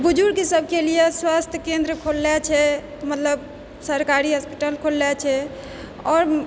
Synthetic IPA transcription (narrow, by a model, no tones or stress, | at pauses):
bud͡ʒuɾkesəb̚ʱkelijeswast̪ʰjəkẽnd̪ɾəkʰolːɛt͡ʃʰɛ | mət̪ləb | səɾkaɾiɦəspiʈəlkʰolːɛt͡ʃʰɛ | ɔːɾ